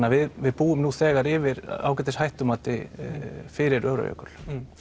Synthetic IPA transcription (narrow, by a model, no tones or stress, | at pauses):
avɪðvɪðpuːʏmnuθɛːɣaɾɪvɪɾa̰wkɛt̪ɪshajht̪ʏmaːt̪ɪ | fɪɾɪɾœːɾœ̰jœ̰kʏl̥